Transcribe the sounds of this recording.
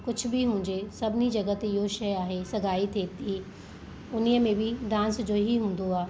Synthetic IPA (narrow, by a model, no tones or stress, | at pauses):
kʊd͡ʑʱʰʊ̆bɪɦũːɪ̃ɲd͡ʑesɐbʱɪnid͡ʑɐɡət̪ɪɦoʃɐjaːɦesɐɡʱaːit̪ʰeːt̪i | ʊniəmẽbɪd̪ãːnsd͡ʑoːɦiɦũːn̆d̪oaː